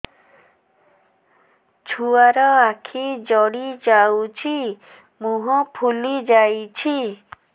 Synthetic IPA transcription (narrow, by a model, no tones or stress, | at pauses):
t͡ʃʰuaɾɔakʰid͡ʒɔɽid͡ʒawt͡ʃʰi | muɦɔpʰulid͡ʒajt͡ʃʰi